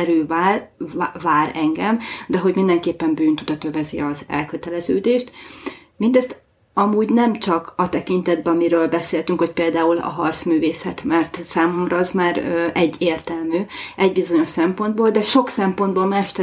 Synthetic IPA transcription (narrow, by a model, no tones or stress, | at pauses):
ɛɾyv | vaːɾɛŋɡɛmd̪ɛɦo̞ɟmind̪ɛŋkeːpːɛmbyːnt̪ud̪ɒt̪øvɛziɒzɛ̰lkø̞t̪ɛlɛzøːd̪eːʃt̪mind̪ɛst̪ | ɒmuːɟnɛmt͡ʃɒkɒt̪ɛkint̪ɛd̪̚bɛɒmiɾøːlbɛseːlt̪yŋkho̞c̚peːld̪aːulɒ̰ɦɒrt̪smyːveːsɛt̪mɛrt̪saːmo̞mrɒɒzmaːɾøɛɟːeːrt̪ɛlmyːɛɟ̚bizo̞ɲo̞ʃsɛmpo̞nd̪boːld̪ɛʃo̞ksɛmpo̞nd̪boːlmaːʃt̪ɛ